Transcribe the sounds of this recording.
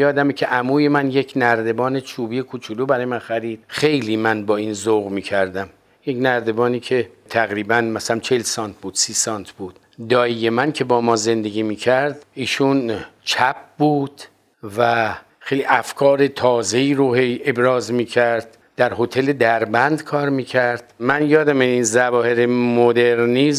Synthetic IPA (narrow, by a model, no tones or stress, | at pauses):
jɒːd̪æmecʰe̞ʔæmuːjemænje̞cʰnæɾd̪e̞bɒːne̞t͡ʃʰuːbijekʰut͡ʃʰuluːbæɾɒːjemænxæɾiːd̪̥xe̞jliːmænbɒːiːnzoɣmiːcʰæɾd̪æm | jecnæɾd̪e̞bɒːniːcʰe̞ | t̪ʰæɣɾiːbænmæsælæmt͡ʃʰe̞lsɒːnt̪̚ʰbuːd̪̥siːsɒːnt̪ʰbuːd̪̥ | d̪ɒːije̞mæncʰe̞bɒːmɒːze̞nd̪e̞ɡʲiːmiːcʰæɾd̪iːʃunt͡ʃʰæp̚ʰbuːd̪̥ | væ | xejliʔæfkʰɒːɾe̞t̪ʰɒːze̞iːɾoheje̞bɾɒːzmiːcʰæɾd̪̥̚ | d̪̥æɾho̞t̪ʰe̞le̞d̪æɾbænd̪kʰɒːɾmiːcʰæɾd̪̥mænjɒːd̪æmeinzævɒːhe̞ɾemod̪eɾniz